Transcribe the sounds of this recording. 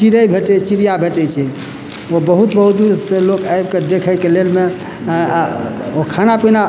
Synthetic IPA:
t͡ʃiɾəbʱeʈɛt͡ʃiɾijabʱeʈɛjt͡ʃʰɛ | obəɦut̪bəɦud̪uɾselokaebked̪ekʰəjkelelme | okʰanapina

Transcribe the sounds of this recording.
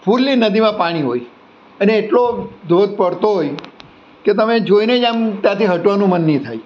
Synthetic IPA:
pʰuɾlːinəd̪imãpaɽ̃iɦoj | əneːʈlod̪od̪̚ʱpəɽt̪oɦoj | ket̪əmed͡ʒoined͡ʒamt̪jãt̪iɦəʈʋanũmənːĩt̪ʰaj

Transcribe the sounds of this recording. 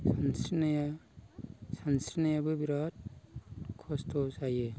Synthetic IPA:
sansɾnaja | sansɾinajabɯbiɾat̚ | kʰɔstʰɔsajɯ

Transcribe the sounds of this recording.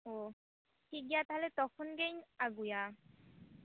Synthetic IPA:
o | tʰik̚ɡijat̪ɦalɛt̪ɔkʰɔnɡejnaɡuja

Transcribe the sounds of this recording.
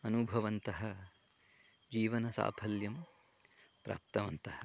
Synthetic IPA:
ɐnubʱɐʋɐnt̪ɐɦɐ | d͡ʒiːʋɐnɐsa̰ːpʰɐljɐm | pɾa̰ːp̚t̪ɐʋɐnt̪ɐhɐ

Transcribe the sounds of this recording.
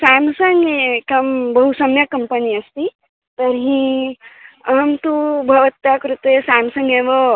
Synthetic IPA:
saːmsɐŋɡekɐmbɐɦusɐmjɐkɐmpəniɐst̪i | t̪ɐɾɦĩ | ɐɦɐmt̪ubʱɐʋɐt̪ːakɾut̪esaːmsɐ̃ŋɡeʋɐ

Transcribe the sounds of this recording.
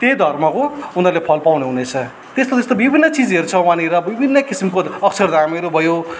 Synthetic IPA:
t̪ed̪ʱʌrmʌkounʌrlepʰʌlpawneɦunet͡sʰʌ | t̪est̪ot̪est̪obibʱinːʌt͡sid͡zʌɾut͡sʰʌwãniɾʌbibʱinːʌkisimkoʌksʰʌrd̪ʱameɾubʱʌjo

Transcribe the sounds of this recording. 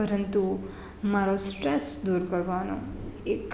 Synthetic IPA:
əɾənt̪u | maɾosʈɾɛsd̪uɾkəɾʋano̰ek

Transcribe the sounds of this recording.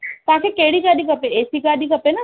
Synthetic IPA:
t̪ɐɦãkʰekeɦɽiɡaːɗikɐpeeːsiɡaːɗikɐpenɐ

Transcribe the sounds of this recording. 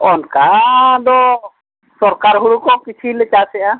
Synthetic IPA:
ɔnkad̪ɔ | sɔɾkaɾɦuɾukɔkit͡ʃʰilɛt͡ʃasɛa

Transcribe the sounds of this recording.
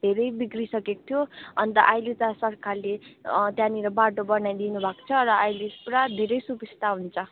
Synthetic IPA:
d̪ʱeɾʌjbikrisʌkek̚t̪ʰjoʌnt̪ʌ̰ʔajlet̪asʌrkʰalet̪jãniɾʌbaʈobʌnajd̪inubʱakt͡sʰʌɾʌajlispɾad̪ʱeɾʌjsupist̪aɦunt͡sʰʌ

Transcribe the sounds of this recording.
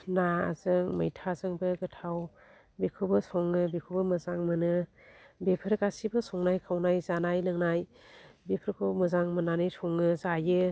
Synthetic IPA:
naa̰zɯŋmɯ̰jtʰazɯŋbɯɡɯtʰaw | bekʰubɯsɔŋːɯbekʰubɯmɯzaŋmɯnɯ | bepʰɯɾkasibɯsɔŋnajkʰawnajzanajlɯŋnaj | bepʰɯɾkʰɯmɯzaŋmɯnanɯjsʰɔŋɯzajɯ

